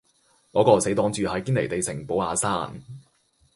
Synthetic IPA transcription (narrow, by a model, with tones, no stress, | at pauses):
kɔː˨˥kɔː˧se˨˥jt̪ɔː˨˥ŋt͡syː˨hɐ˨jkiː˥nle˨˩jt̪e˨jsɪ˨˩ŋpo˨˥waː˨˧saː˥n